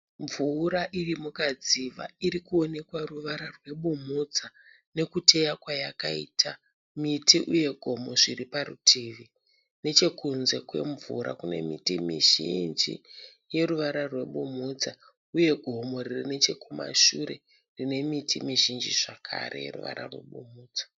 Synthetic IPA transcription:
ɱvuɾaʔirimukad͡ziʋa̰iɾikuone̞kwaruʋaɾarwe̞ɓumud͡za | ne̞kute̞jakwajakaḭtʰa | mitiʔuje̞ɡʱo̞mo̞ʐiriparṵtʰiʋi | ne̞t͡ʃe̞kunze̞kwe̞̰ɱvuɾa̰kune̞̰mitimiʒind͡ʒḭ | je̞ruʋaɾarwe̞ɓumud͡za | uje̞ɡʱo̞mo̞ririne̞t͡ʃe̞kuma̰ʃuɾe̞̰ | rine̞mitʰimiʒind͡ʒiʐakʰa̰rḛjḛrṵʋa̰ɾa̰rwe̞̰ɓumuːd͡zḁ

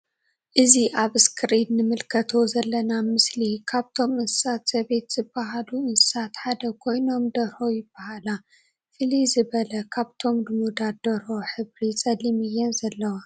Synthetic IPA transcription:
ʔɨziʔaβɨskʰɨɾid̪nɨmɨlkʰɐt̪ʰo̞zɐlːɐnamɨslikʰaβt̪ʰo̞mɨnsɨ̥sat̪z̥ɐβe̞t̪z̥ɨbːaɦaluɨnsɨ̥sat̪ħad̪ɐkʰo̞jno̞md̪ɐɾho̞jɪb̥ːahala | fɨlizɨβɐlɐkʰaβt̪ʰo̞mdɨmud̪ad̪̥ɐɾho̞ħɨβɾit͡sʼɐlimɨjːɛnzɐlːɐwa

